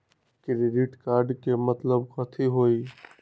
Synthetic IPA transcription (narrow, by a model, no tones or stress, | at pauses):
kɪɾeɖiʈkaːɾɖkemɐt̪ləbxɐt̪ʰiɦoːiː